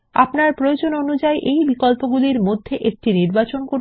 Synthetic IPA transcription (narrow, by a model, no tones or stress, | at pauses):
a̰pnaɾpɾood͡ʑononud͡ʑaeʔejbikolpoɡuliɾmod̪ʱːeʔek̚ʈiniɾbat͡ɕonkoɾ